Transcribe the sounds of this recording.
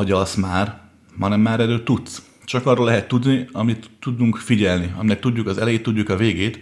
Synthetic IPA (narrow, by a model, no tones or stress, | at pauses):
ɒɟɒsmaːr | mɒnɛmːaːɾɛløːt̪ːut̪s | t͡ʃɒkɒrːoːlɛɦɛt̪ːud̪niɒmit̪ːud̪uŋkfiɟɛlniɒ̰minɛk̚t̪udɟːukɒzɛlɛjeːt̪ːuɟːukɒveːɡeːt̪